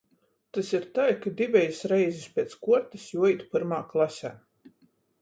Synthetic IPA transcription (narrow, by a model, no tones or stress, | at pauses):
t̪asiɾt̪ajkad̪ivʲɛjsɾɛjzispʲeɛt̪skuɔɾt̪isjuɔit̪pɨɾmaːklˠasʲæ̰ː